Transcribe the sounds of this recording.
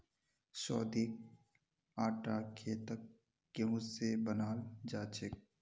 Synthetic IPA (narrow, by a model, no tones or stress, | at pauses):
sɔːd̪ik̚ | aːʈaːkʰeːt̪ək̚ | ɡẽɦʊ̃sebənaːld͡ʒaːt͡ʃek̚